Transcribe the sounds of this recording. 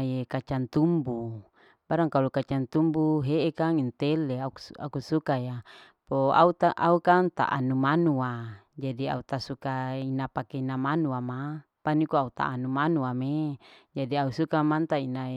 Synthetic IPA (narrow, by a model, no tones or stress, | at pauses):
jekat͡ʃant̪umbu | baɾaŋkalukat͡ʃant̪umbuɦeʔekaŋint̪eleaa̰kusukaja | poa̰ut̪aʔaukaŋt̪a̰ʔa̰numanua | d͡ʒadia̰ut̪asukainapakeinamanuama | panikuaut̪a̰ːnumanuamed͡ʒadiausukamant̪aina